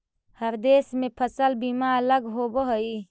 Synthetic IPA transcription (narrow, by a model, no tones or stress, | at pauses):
həɾd̪esmepʰəsəlbimaələɡɦobəɦəi